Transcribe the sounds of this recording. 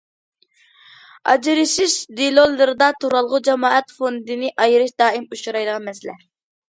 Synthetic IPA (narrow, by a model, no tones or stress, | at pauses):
ɑ̰d͡ʒɾɨʃɪʃd̪ilˠolˠːɨɾɨd̪ɑt̪ʰuɾɑlˠʁʊd͡ʒɛmɑːʔɛt̪fond̪ɨnɨʔɑjɨɾɨʃd̪ɑːimuʃuɾɑjd̪əʁɑnmɛsɪlɛ̰